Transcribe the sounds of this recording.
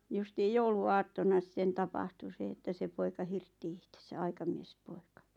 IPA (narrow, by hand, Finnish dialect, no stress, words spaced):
justiːj jouluɑːtːonɑ st̆ĕn̆ tɑpɑhtu se etːæ se poikɑ hirtːi ihtesæ ɑikɑmiespoikɑ